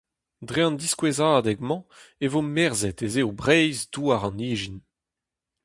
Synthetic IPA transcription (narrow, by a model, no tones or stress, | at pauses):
dʁeɑ̃nd̪iskwezaːdɛɡmɑ̃evomɛʁzɛtezeobʁɛjzduaʁɑ̃niːʒin